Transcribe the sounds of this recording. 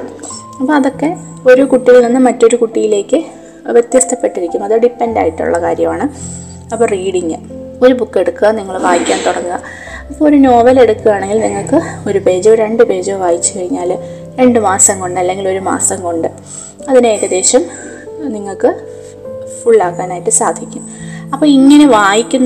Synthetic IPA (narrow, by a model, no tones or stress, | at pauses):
ɐpːɐɐðo̞kːe̞ | o̞ɾukuʈːiɣɐlninːɨmɐtːo̞ɾukuʈːijile̞ːkːɨ | ʋjet̪jɐst̪ʰɐpːe̞ʈːiɾikʲːumːɐðoɖipːenda̰ːjiʈːṵɭːɐka̰ːɾjɐmaːɳɨ | ɐpːoːriːɽiŋːɨ | o̞ɾubukːe̞ɽukːɨɣɐniŋːɐɭʋaːjikʲːaːnt̪uɽɐnːɨɣɐ | ɐpːoːoɾuno̞ːbɐle̞ɽukːuʋaːɳe̞ŋɡilniŋːɐɭkɨo̞ɾupe̞ːd͡ʑɐɾe̞ɳɖɨpe̞ːd͡ʑɐʋaːjit͡ɕːɨkɐɻiɲːaːl | ɾe̞ɳɖɨmaːsɐmkoɳɖɨɐlːe̞ŋɡilo̞ɾuma̰ːsɐmko̞ɳɖɨ | ɐðineːɾɐd̪e̞ːɕɐm | niŋːɐɭkɨ | fuɭːaːkːaːnaːjiʈːɨsaːd̪ʱikʲːumɐpːoːiŋːɐne̞ʋaːjikʲːunː